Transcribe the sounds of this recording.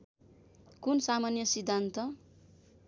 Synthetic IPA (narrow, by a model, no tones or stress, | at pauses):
kunsamanjʌsid̪ʱːant̪ʌ